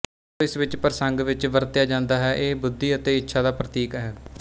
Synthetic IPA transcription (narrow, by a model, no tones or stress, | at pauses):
ɪsʋɪt͡ʃpəɾəsəŋɡʋɪt͡ʃʋəɾt̪jaːd͡ʒãːnd̪aːɦɛːʔeːbʊd̪ːiːət̪eːɪtːʃʰaːd̪aːpɾət̪iːkɦɛː